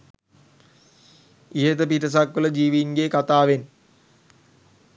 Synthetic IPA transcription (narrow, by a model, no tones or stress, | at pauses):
iɦet̪əpiʈəs̬akʋələd͡ʒiːʋiːŋɡeːkat̪aːʋen